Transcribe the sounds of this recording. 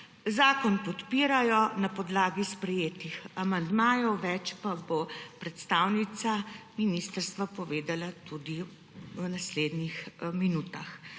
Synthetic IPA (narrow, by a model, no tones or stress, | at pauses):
zaːkɔnpɔt̪piːɾajɔnapɔd̪laːɡispɾɛjeːt̪ixamand̪maːjɔwʋɛt͡ʃpabopɾɛt̪st̪aːwnit̪saminiːst̪əɾst̪ʋapɔʋeːd̪alat̪ud̪i | wnasleːd̪nixminuːt̪ax